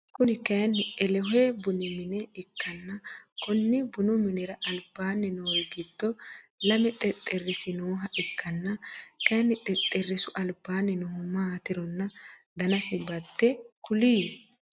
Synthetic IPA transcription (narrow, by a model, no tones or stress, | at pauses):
kʊnɪkɐjnɪʔɛlɛɦeːbʊnɪmɪnɛɪkːɐnːɐkɔnːɪbʊnʊmɪnɛɾɐʔɐlbaːnːɛnoːjɡɪd̪ːɔlɐmɛt̪ʼɛt̪ʼːɛrːɪsɪnoːɦɐʔɪkʰːɐnːɐkɐjnːɪt̪ʼɛt̪ʼːɛrːɪsʊʔɐlbaːnːɛnɔhʊmaːt̪ɪɾɔnːɐ | d̪ɐnɐsɪbɐd̪ːɛkʊliː